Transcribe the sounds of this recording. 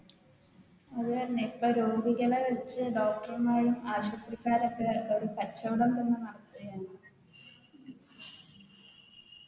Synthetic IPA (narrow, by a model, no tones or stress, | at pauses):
ɐðnepːɐɾoːɡiɣɐɭɐʋɐt͡ɕːɨɖoːk̚ʈɐrmaːɻumaːɕɐt̪ːrikːaːɾɐkːeoɾupɐt͡ɕːɐʋuɽɐmlenːɨnɐɽɐt̪ːɐɐjaːɳɐ